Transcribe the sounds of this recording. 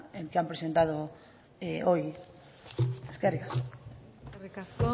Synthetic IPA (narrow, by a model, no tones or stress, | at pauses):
eŋkɪampɾesent̪að̞o | eoj | eskɛrikaso